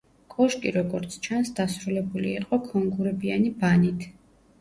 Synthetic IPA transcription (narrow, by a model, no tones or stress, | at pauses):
kʼɔʃkʼiɾɔɡɔɾt̪sʰt͡ʃʰansd̪asɾulɛbulḭːqʼɔkʰɔŋɡuɾɛbianibanit̪ʰ